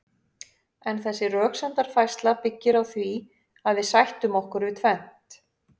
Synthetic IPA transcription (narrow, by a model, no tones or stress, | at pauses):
ɛnθɛsːɪrœːksant̪aɾ̥fajst̪lapɪcːɪɾawθvi | aðvɪðsajht̪ʏmɔhkʏɾvɪt̪ʰvɛn̥t̪